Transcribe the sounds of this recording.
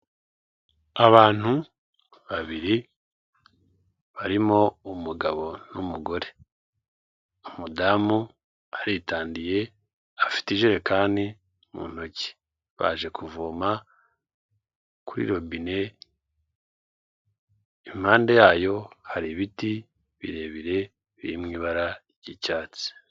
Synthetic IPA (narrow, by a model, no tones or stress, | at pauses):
aβaːn̥hu | βaβiɾi | βaɾimo̞umuɡaβo̞numuɡo̞ɾe̞ | umudamu | aɾitaːndije̞ | afi̥tiʒeɾekaːndi | mṵːn̥o̞ci̥ | βa̰ːʒe̞kuvoma | kuɾḭːɾo̞bine̞ | im̥haːnde̞jaːjo̞haɾiβiti | βḭɾe̞ːβiɾe̞ | βiɾimŋiːβaɾa | ɟicaːt͡si̥